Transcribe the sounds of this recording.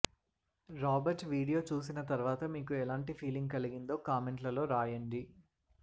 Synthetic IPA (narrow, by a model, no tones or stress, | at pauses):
ɾaːbɐɾʈʋiːɽijo̞ːt͡ʃuːs̬inɐt̪ɐɾʋaːt̪ɐmiːkuɛlaːɳʈipʰiːliŋɡ̚kɐliɡind̪o̞ːkaːmeɳʈlɐlo̞ːɾaːjɐɳɖi